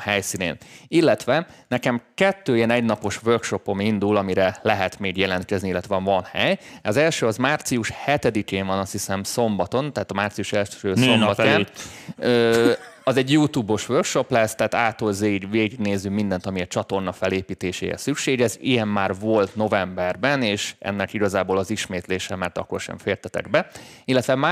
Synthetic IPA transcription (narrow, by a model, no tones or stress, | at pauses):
hɛjsinḛːnilːɛt̪ʋɛnɛkɛmkɛt̪ːøːijɛnɛɟnɒpo̞ʃʋørkʃo̞po̞mind̪ulɒmiɾɛlɛɦɛt̪meːɡjɛlɛnt̪̚kɛzniilːɛt̪ʋɛɒɱvɒnhɛjɒzɛlʃøːɒzmaːrt̪siuʃhɛt̪ɛd̪ikeːvɒnɒst̪hisɛmso̞mbɒt̪o̞nt̪ɛɦːt̪ɒmaːrt̪sijuʃɛlʃøːsombɒtːaː | ø | ɒzɛɟjuːt̪uːbo̞ʃʋørkʃo̞plɛst̪aːt̪aːt̪ːoːlzeːiɡveːɡiɡneːzːymind̪ɛnt̪ɒmiɛt͡ʃɒt̪o̞rnɒfɛleːpiːt̪eːʃḛːɾɛ̰sykʃeːɡɛzḭjɛmːaːrvo̞lt̪no̞vɛmbɛrbɛneːʃʔɛ̰nːɛkiɡɒzaːboːlɒziʃmeːt̪leːʃɛmɛrt̪ɒ̰kːo̞̰rʃɛ̰ɱfeːrt̪ɛt̪ɛ̰ɡbɛilːɛt̪ʋɛma